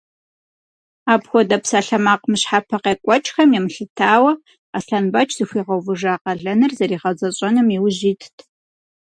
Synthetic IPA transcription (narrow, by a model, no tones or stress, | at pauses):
aːpxʷɔdɐpsaːɬɐmaːqmɨɕħapʰɐqeːkʷʼɔt͡ʃʼxɐmjɛmɬɨtʰaːwɐ | aɬɐnbɐt͡ʃʰʼz̥ɨxʷiːʁɐwvɨʐaːqɐɮɐnɨrzɐɾiːʁɐzʼɐɕʼɐnɨmiwʑiːtʰtʰ